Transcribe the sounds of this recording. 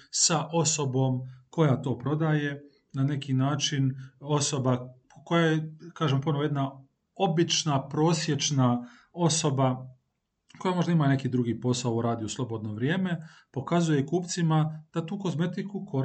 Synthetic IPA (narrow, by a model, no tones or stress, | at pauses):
saʔo̞so̞bo̞ːmko̞jat̪o̞ːpɾo̞d̪aje̞ | nane̞kinaːt͡ʃino̞so̞ba | ko̞jajekaːʒempo̞noʋojed̪na | o̞bit͡ʃnapɾo̞ːsje̞t͡ʃna | o̞so̞ba | ko̞jamo̞ʒd̪aimane̞kid̪ɾuɡiːpo̞saouɾaːd̪ijuslˠo̞bod̪no̞ʋɾjeːme̞po̞kazuje̞kuːpt̪simad̪̥at̪uːko̞zme̞t̪ikukʰoɾ